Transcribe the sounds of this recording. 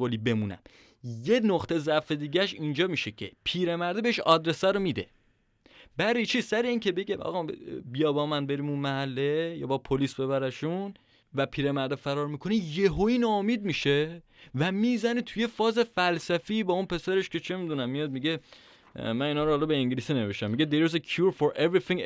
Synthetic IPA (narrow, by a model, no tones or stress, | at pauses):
oliːbe̞munæ̰m | jenoqt̪ʰezæfe̞d̪iːɟæʃiːnd͡ʒɒːmiʃecʰepʰiːɾemæɾd̪ebeeʃɒ̰ːd̪ɾe̞sæɾomiːd̪e̞̰ | bæɾijt͡ʃʰisæɾeiːnkʰe̞be̞ɟeʔɒ̰ɣɒbijɒːbɒːmænbe̞ɾiːmunmæɦælːe̞jɒ̰ːbɒpʰoliːsbe̞βæɾæʃun | væpʰiːɾemæɾd̪efæɾɒːɾmikʰo̞nijeɦoiːnɒːomiːd̪̚miːʃe | væmiːzænit̪ʰujefɒːze̞fælsæfiːbɒːunpʰe̞sæɾe̞ʃkʰe̞t͡ʃʰe̞mid̪unæmːijɒːd̪̚miɟe | mæniːnhɒːɾohɑːlɒbeeŋɟeliːsine̞ve̞ʃt̪æmːiɟed̪eɾzekʰjuɾfoɾʔevɾiθĩŋ